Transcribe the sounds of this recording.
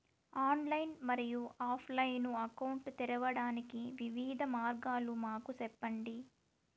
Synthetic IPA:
aːnlɐjnmɐɾijuʔaːpʰlɐjnuɐkɐwɳʈt̪ɛɾɐʋɐɽaːnikiʋiʋiːd̪ʱɐmaːɾɡaːlumaːkusɛpːɐɳɖi

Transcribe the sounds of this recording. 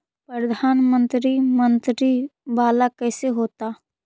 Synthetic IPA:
pɾəd̪ʱaːnmə̃nt̪ɾimə̃nt̪ɾibaːlakɛːseɦoːt̪aː

